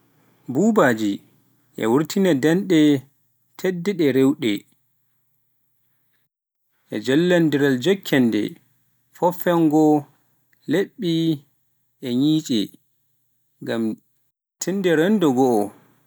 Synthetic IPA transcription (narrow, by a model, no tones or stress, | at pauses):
bubaːd͡ʒi | ʔɛ̰wuɾtʰinadɛnɗɛ | tʰedːɛɗɛɾewɗɛ | ʔɛ̰d͡ʒalːandiɾald͡ʒɔkʰːɛndɛ̰ | fɔfɛŋɡɔ | leɓːi | ʔɛɲiːt͡ʃʼɛ | ŋɡam | tʰindɛɾɛndɔɡɔʔɔ